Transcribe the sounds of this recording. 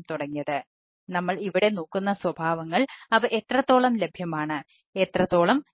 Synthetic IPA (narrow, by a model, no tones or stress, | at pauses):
mt̪uɽɐŋːijɐðɨ | nɐmːɐɭiʋiɽe̞noːkːunːɐswɐbʱaːʋɐŋːɐɭɐʋɨʔet̪rɐt̪ːo̞ːɭɐmle̞bʱjɐmaːɳɨ | et̪rɐt̪ːo̞ːɭɐm